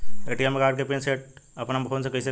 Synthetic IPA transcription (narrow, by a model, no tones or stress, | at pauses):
eːʈijemekaːɾɖ̚kepenseːʈ̚ɐpnampʰoːnsekɐɪse